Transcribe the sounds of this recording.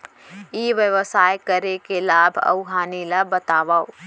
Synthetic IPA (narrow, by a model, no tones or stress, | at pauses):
iːʋjəʋəsaːjkəɾekelaːbʱɐ̰ʊɦaːnilabət̪aːʋaːo